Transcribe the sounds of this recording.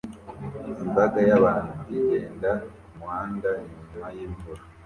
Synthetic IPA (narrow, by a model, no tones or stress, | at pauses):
imbaɡajaβaːnuiɡeːnda | mwaːndaiɲumajeːmboɾa